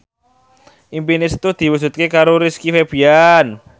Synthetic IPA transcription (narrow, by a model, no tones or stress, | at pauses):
ʔimpinɪst̪ud̪̥i̤wusṳt̪̚kekaɾoɾiskifeb̥ian